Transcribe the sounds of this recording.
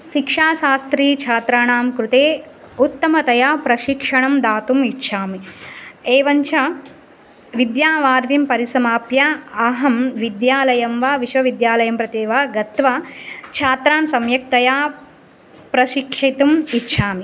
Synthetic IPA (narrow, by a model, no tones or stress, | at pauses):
ʃikʂaːʃaːst̪ɾiːt͡ʃʰaːt̪ɾaːɳaːmkɾut̪eː | ut̪ːɐmɐt̪ɐjaːpɾɐʃikʂɐɳɐmd̪aːt̪umitːʃʰaːmi | eːʋɐɲt͡ʃʰɐ | ʋid̪jaːʋaːɾd̪impɐɾisɐmaːpjaɐɦɐmʋid̪jaːlɐjɐmʋaːʋiʃʋɐʋid̪jaːlɐjɐmpɾɐt̪eːʋaːɡɐt̪ʋat͡ʃʰaːt̪ɾaːnsɐmjɐk̚t̪ɐjaː | pɾɐʃikʂit̪umitːʃʰaːmi